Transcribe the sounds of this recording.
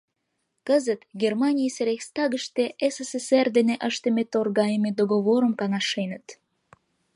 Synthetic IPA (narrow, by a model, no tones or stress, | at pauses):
kəzət̪ɡʲermɑnʲijseɾexʲst̪ɑɣəʃt̪eʔeseseserd̪eneʔəʃt̪əmet̪orɣɑjemed̪oɣoβoɾəmkɑnɑʃenət̪